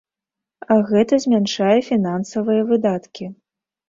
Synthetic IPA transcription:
ɐɣɛt̪ɐzʲmʲanʂajɛfʲinansɐvɨjɐvɨd̪at̪kʲi

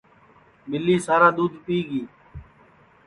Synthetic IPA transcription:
mɪlːiːsaːɾaːd̪uːd̪piːɡiː

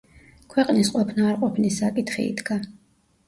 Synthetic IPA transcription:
kʰwɛqʼnisqʼɔpʰnaːɾqʼɔpʰnisːakʼit̪ʰχḭḭd̪ɡa

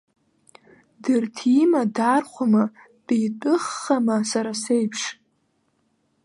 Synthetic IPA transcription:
dɨrtʰimadarχʷama | dʼijtʼɨχːamasaɾasejpʰʂ

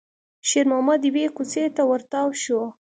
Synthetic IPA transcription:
ʃeɾmamad̪wekut͡set̪awaɾt̪ɑwʃo

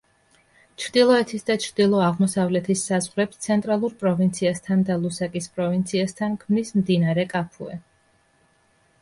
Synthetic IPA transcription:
t͡ʃʰɾd̪ilˠɔɛt̪ʰisd̪at͡ʃʰɾd̪ilˠɔaʁmɔsavlɛt̪ʰisazʁɾɛpst̪sʰɛnt̪ʼɾalˠuɾpʼɾɔvint̪sʰiast̪ʰand̪alˠusakʼispʼɾɔvint̪sʰiast̪ʰankʰmnismd̪inaɾɛkʼapʰṵɛ̰

